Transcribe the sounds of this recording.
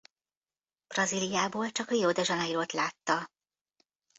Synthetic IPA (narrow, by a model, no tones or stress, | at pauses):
b̥rɒzilijaːboːlt͡ʃɒkijoːd̪ɛʒɒnɒiɾoːt̪laːt̪ːɒ